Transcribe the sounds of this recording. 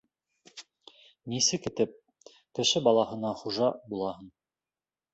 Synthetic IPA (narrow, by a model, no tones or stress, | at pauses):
nisɘkɘ̆t̪ɘp̚ | kɘ̆ʃɘbɑlˠɑhɤ̆nɑχuʒɑbulˠɑhɤn